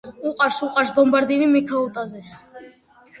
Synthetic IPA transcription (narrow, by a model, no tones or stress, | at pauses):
uqʼaɾsuqʼaɾsbɔmbaɾd̪inimikʰaut̪ʼazɛs